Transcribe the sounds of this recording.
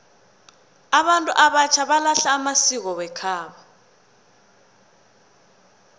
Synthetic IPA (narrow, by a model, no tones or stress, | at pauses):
aβantʼuʔaβat͡ʃʰaβalaɬaːmasik̬ɔwɛkʰaːɓa